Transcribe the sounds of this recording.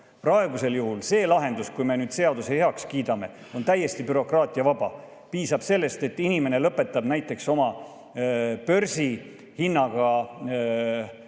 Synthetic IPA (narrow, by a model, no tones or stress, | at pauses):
prɑe̞ɡuse̞ljuɦulse̞ːlɑɦe̞nd̪uskujme̞nyːd̪se̞ɑd̪useheɑkskiːd̪ɑme̞ | o̞nt̪æjːe̞st̪ipyɾo̞krɑːt̪ˑiɑvɑbɑ | piːsɑb̥se̞lːe̞st̪e̞t̪ːˑinime̞ne̞lɤpːˑe̞t̪ːˑɑbnæjt̪ːˑe̞kso̞mɑ | pø̞rsi | hinːɑɡ̥ɑ